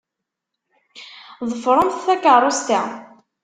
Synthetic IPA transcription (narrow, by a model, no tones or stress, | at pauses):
ðˤəfɾˤənθθækərˤːost̪æ